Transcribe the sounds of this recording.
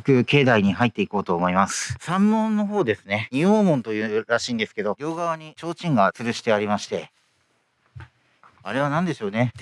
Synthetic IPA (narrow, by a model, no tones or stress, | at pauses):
kɯ̟ke̞ːd̪aiɲ̟iɦait̪ːe̞iko̞ːt̪o̞ːmo̞imasɨ̥sãmːõ̞nːo̞ɦo̞ːd̪e̞sɨne̞ɲioːmõ̞nt̪o̞jɯ̟ːɾaɕĩːnd̪e̞sɨ̥ke̞d̪o̞ɡʲo̞ːɡaβaɲ̟it͡ɕo̞ːt͡ɕĩŋɡat͡sɨɾɯ̟ɕi̥t̪e̞aɾʲimaɕi̥t̪e̞ | aɾe̞βanãnd̪e̞ɕo̞ːne̞